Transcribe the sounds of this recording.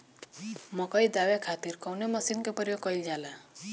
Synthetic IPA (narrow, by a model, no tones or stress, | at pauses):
mɔkɔjd̪awekʰat̪iɾkɔwnemɔsinkepɔɾiɔkɔjd͡ʒala